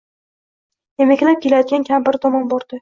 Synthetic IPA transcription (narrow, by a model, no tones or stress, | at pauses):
jemekʲlap̚kʰʲelajd̪ɪɡʲankʲʰambɪɾd̪ɒmɒnbɒɾd̪̥ɪ